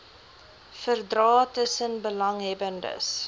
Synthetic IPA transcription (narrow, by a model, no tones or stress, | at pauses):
fərdrɑːtəsənbəlɐŋɦɛbəndə̰s